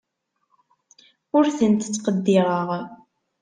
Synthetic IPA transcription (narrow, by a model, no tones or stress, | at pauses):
ʊɾθənt̪ət͡sːqəd̪ːɪʁəʁ